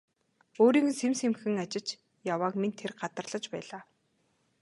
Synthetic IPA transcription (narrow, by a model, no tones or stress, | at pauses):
oːɾiːɡ̪̆semsemxɘ̆ŋat͡ɕɪ̆t͡ɕ | jawaːkment̪ʰːerɢat̪ə̆rɮ̥ə̆t͡ɕpæ̰ːɮaː